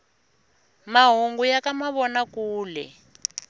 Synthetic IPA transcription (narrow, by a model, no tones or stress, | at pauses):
maɦoŋɡujakamaβɔnakuːlɛ̰